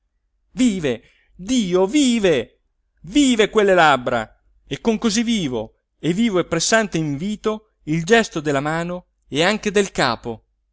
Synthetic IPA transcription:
viːve | d̪iːoviːve | viːvekwelːelabːɾa̰ | ekːoŋkozivːiːvo̰ | evːiːvoɛpːɾesːant̪eiɱviːt̪o | ild͡ʒɛst̪od̪elːamaːno | eaŋk̟ed̪elkaːpo

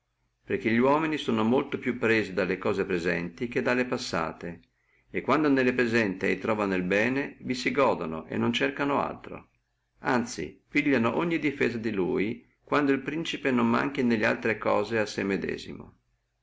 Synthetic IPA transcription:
perk̟eʎiwɔːminisoːnomolt̪opjupːɾeːzid̪alːekɔːzepɾezɛ̰nt̪ik̟ed̪ːalːepasːa̰ːt̪eː | kːwand̪onelːepɾezɛnt̪iɛ̰jt̪ɾɔːvanilbɛːnevisiɡɔːd̪ono̰ʔḛnːont͡ʃerkanoa̰lt̪ɾo̰ | ant̪sḭpiʎːanoʔoɲːid̪ifɛːzad̪iluːji | kwand̪oilpɾint͡ʃipenomːa̰ŋk̟inelːea̰lt̪ɾekɔːzeasːemːed̪ɛ̰ːzḭmo̰

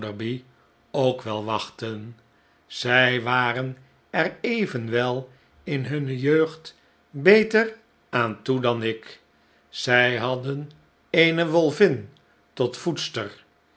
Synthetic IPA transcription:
dəɹbi | owkʋɛlˠʋɑχtən | z̥ɛjʋaːrən | ɛrejvənʋɛlˠ | ɪnɦɵnəjøɥχt | bejtər | aːntudɑnɪk | z̥ɛjɦɑdən | enəʋɔlˠvɪn | tɔtfutstər

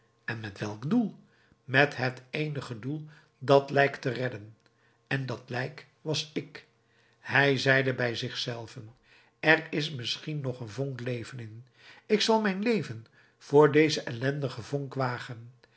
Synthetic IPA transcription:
ɛnmɛtʋɛlˠɡdulˠ | mɛtɦətejnəχədulˠ | dɑtlɛjktərɛdən | ɛndɑtlɛjk | ʋɑsɪk | hɛjzɛjdəbɛjzɪχsɛlˠvən | ɛrɪsmɪsχinːɔχənvɔŋklejvənɪn | ɪksɑlˠmɛjnlejvən | v̥ʊːɹdejzəʔɛlɛndəχəvɔŋkʋaːχən

